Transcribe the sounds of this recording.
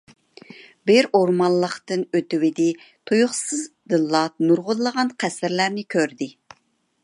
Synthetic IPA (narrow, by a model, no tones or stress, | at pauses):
bɪɾoɾmɑnlˠəqt̪ɨnøt̪ɪwɪd̪ɪt̪ʰujʊχsɨzd̪ɨlˠːɑt̪̚nuɾʁʊlˠəʁɑnqʰæsɪɾlæɾnɪkʲʰøɾd̪ɪ